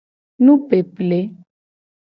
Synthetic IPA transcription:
nũ˦pe˨ple˨˦

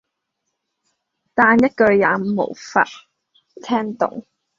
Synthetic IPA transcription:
t̪aː˧njɐ˥t̚kɵ˧ɥjaː˨˥mo̰˨˩wfa̰ː˧˥t̚ | t̪ʰɛː˥ŋt̪ʊ̰˨ŋ

